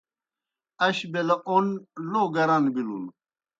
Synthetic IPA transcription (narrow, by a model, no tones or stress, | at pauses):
ɐɕbelɐʔonloɡɐɾanbilṵl